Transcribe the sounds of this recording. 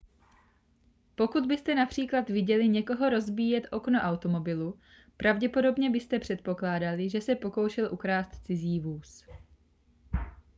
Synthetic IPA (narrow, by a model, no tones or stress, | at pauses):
po̞kud̪bɪst̪ɛnapr̥iːklat̪vɪɟɛlɪɲɛko̞ɦo̞ɾo̞zbiːjɛt̪ʔo̞kno̞ʔawt̪o̞mo̞bɪlu | pɾavɟɛpo̞do̞bɲɛbɪst̪ɛpr̥ɛt̪̚po̞klaːdalɪʒɛsɛpo̞ko̞wʃɛlʔukɾaːst̪t͡sɪziːvuːs